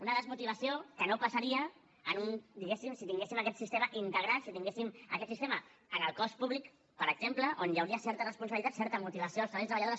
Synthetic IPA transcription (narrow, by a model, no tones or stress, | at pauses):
unəðəzmut̪iβ̞əsiokənopasəɾiəː | nund̪iɣesimsit̪iŋɡesimakɛt̪sist̪emaʔint̪əɣɾasit̪iŋɡesiməkɛt̪sist̪eməənəlˠkɔspuβlik | pəɾəɡ̥z̥empləʔonjəwɾiəsɛɾt̪ərəspunsəβilit̪at̪sɛɾt̪əmut̪iβɐsioəlˠsəɾβɛjt̪ɾəβaʎaðoɾ